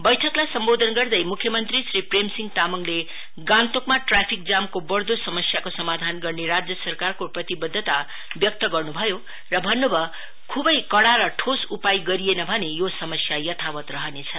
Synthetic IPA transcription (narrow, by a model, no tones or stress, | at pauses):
bʌjʈʰʌklajsʌmbod̪ʱʌnɡʌrd̪ʌjmukʰjʌmʌnt̪risripremsiŋɡt̪amʌŋle | ɡãnt̪okmaʈrapʰik̚d͡zamkobʌrd̪osʌmʌsjakosʌmad̪ʱanɡʌrneɾad͡zjʌsʌrkarkoprʌt̪ibʌd̪ʱːʌt̪a | bjʌk̚t̪ʌɡʌrnubʱʌjo | rʌbʱʌnːobʱʌ | kʰubʌjkʌɽaɾʌʈʰosupajɡʌɾienʌbʱʌnejosʌmʌsjajʌt̪ʰawʌt̪rʌɦʌnet͡sʰʌ